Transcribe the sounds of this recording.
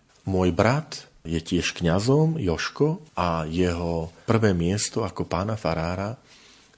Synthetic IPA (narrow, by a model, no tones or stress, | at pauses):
mʊɔjbɾat̪ | jɛcɪɛʃkɲazɔmjɔʃkɔʔajɛɦɔpr̩ʋɛːmɪɛst̪ɔakɔpaːnafaɾaːɾa